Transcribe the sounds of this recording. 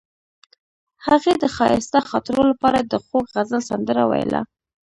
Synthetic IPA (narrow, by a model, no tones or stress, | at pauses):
haɣed̪əxɑjɪ̰st̪axɑt̪ɾolapɑɾad̪əxokɣazəlsand̪əɾa̰wa̰j̰la̰